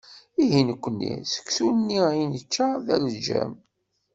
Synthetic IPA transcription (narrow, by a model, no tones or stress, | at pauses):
iɦinəkʷːənːḭsə̥kːθunənːiinət͡ʃːaðæləd͡ʒæ̰m